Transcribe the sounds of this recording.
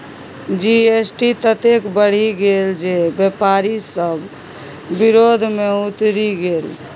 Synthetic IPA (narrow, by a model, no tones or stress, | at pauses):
d͡ʒiesʈit̪ət̪ekbəɽ̤iɡeld͡ʒebepaɾisəbʱː | iɾod̪ʱmeut̪ɾiɡel